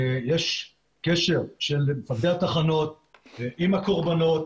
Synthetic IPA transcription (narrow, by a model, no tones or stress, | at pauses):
jeʃ | keʃe̞ʁʃelmefadeat̪aχano̞t̪̚ʔimako̞ʁbano̞t̪